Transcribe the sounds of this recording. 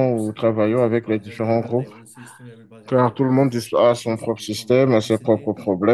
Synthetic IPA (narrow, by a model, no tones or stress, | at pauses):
ut̪χavajɑ̃avɛkled̪ifeʁɑ̃ɡʁup | kaʁt̪uləmɔ̃d̪ːispːsɔ̃pχɔpχəsist̪ɛmasepχɔpχəpχɔblɛ